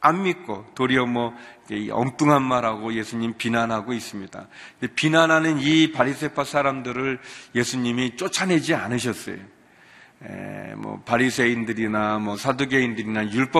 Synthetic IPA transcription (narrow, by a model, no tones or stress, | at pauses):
anmik̚k͈otoɾiʌmwʌikeiʌ̰ŋt͈uŋɦanmaɾaɡoje̞sʰuɲimpinanɦaɡois͈ɯmɲida̰ndepinanɦanɯnipaɾisʰe̞pʰasʰaɾamdɯɾɯɭje̞sʰuɲimit͡ɕ͈ot͡ɕʰanɦe̞d͡ʑianɯɕ̬ʰʌs͈ʌ̰jo̰ | ḛmwʌ̰paɾisʰe̞indɯɾinamwʌsʰadoɡe̞indɯɾinajuɭp͈ʌ